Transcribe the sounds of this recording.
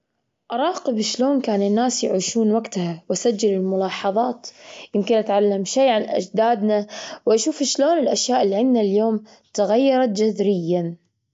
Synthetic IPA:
ʔɑɾˤɑːqɨbʃloːnkaːnɪnːaːsjʕiːʃuːnwaɡt̪hawʔasad͡ʒːalɪlmʊlɑːħɑðˤɑːt̪jɪmkɪnʔat̪ʕalːamʃeːʕanʔa̰d͡ʒd̪aːd̪nawʔaʃuːfʃloːnɪlʔaʃjaːʔɪlːiʕɪnd̪naljoːm | t̪aɣajːɑɾˤɑt̪̚d͡ʒaðɾɪjːan

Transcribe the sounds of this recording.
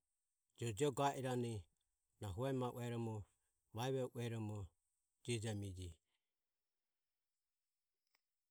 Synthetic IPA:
d͡ʒɔd͡ʒɔɡaʔiɾani | naɦuɛmaʔṵɛɾɔmɔ | βaɛβɛʔuɛɾɔmɔ | d͡ʒid͡ʒamid͡ʒi

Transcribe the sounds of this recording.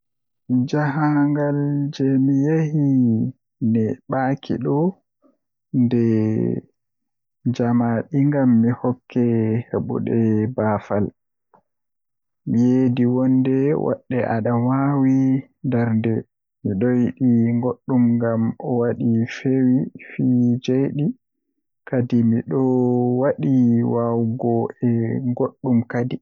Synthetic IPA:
d͡ʒaɦaŋɡald͡ʒɛmijehi | nɛɓaːkʰḭɗɔ | ndɛ | d͡ʒamaɗiŋɡamːihɔkʰːɛheɓṵɗɛbafal | mijediwɔndɛwɔ̰ɗːɛʔaɗawawi | ndaɾndɛ | miɗojɗiŋɡoɗːumŋɡamɔwaɗifewifid͡ʒejɗi | kadimiɗɔwaɗiwawɡɔɛŋɡoɗːumkadi

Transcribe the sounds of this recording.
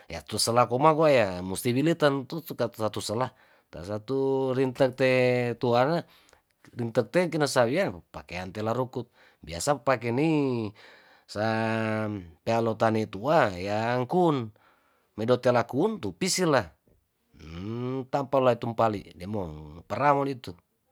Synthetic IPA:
ja̰t̪usəlahkɔmakuajamust̪ibilit̪ant̪ukasat̪usəlah | t̪a̰sat̪urint̪ək̚t̪et̪uana | rint̪ək̚t̪ɛk̬inasawiapakeant̪elaɾukut̪̚ | bia̰sapakɛni | sa | pealot̪anit̪uajaŋkun | mɛdɔt̪elakunt̪upisila | t̪ampalait̪umpalḭdɛmɔpəɾamɔnit̪u

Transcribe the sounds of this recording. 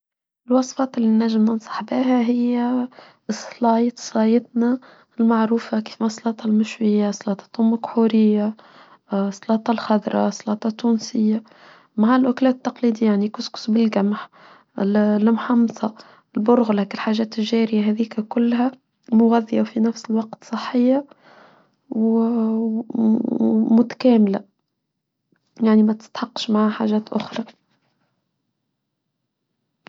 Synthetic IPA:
ɪlwɑsˤfɑːt̪ɪlːinːæʒːəmːənsˤɑ̥ħbiːɦæɦɪjːæ | slɑːjt̪sˤɑjɪt̪na | lmaʕɾuːfaki̥ːfmasˤːlɑːt̪ˤɑlmɪʃwɪjːasˤːlɑːt̪ˤɑ̥t̪ˤɑlmakħuːɾɪjːa | sˤːlɑːt̪ˤɑlxɑd̪ɾˤɑ̰sˤːlɑːt̪ˤɑt̪ːuːnsɪjːa | maʕalʔʊklæːt̪ːɑqliːd̪ijːaʕnikʊskʊ̥sbɪlɡæmħ | lmħɑmsˤɑ | ɪlbʊɾɣlækɪlħaːʒæːt̪ɪlʒæːɾɪjaɦæːðiːkækʊlːɦæ | mʊɣæðːijafinæfsɪlwɑqt̪sˤɨħːɪjːa | w | mʊt̪æ̥kæːmɪla | jaʕnimæt̪ɪ̥st̪ħɑqːʃmaʕħa̰ːʒæːt̪ʔʊxɾˤɑ

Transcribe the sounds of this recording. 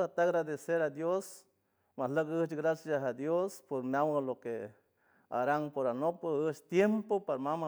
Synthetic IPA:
at̪aɣɾad̪eseɾad̪jos | mahləkəht͡ʃɡɾasjaɦad̪jospoɾmjawaloke | a̰ɾaŋpoɾanopəət͡ʃt̪jempopaɾamama

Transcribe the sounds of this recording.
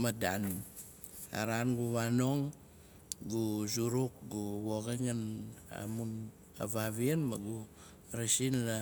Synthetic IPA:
madan | a̰ɾanɡuβanoŋ | ɡuzuɾuk̚ɡuβoɡeŋana̰mun | a̰βaβianmaɡu | ɾesinla

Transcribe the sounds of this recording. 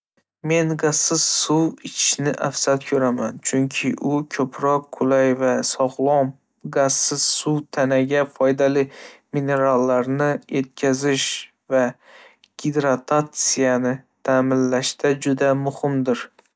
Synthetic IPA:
me̞nɡasːɪzsuwɪt͡ʃʰɪ̥ʃnɪʔafsat̪kʲʰɵɾamant͡ʃʰʊŋkʲʰɪʔʊkʲʰɵpʰɾɒqːʰʊlajvasɒʁlˠɒm | ɡasːɪz̥suwt̪ʰanaɡʲafɒjd̪alɪmine̞ɾalːaɾnɪjʔet̪̚kʲʰazɪʃ | va | ɡ̥ʲid̪ɾat̪ʰat̪sijanɪt̪ʰamɪnlaʃt̪ad͡ʒʊd̪amʊhɪmd̪ɪɾ

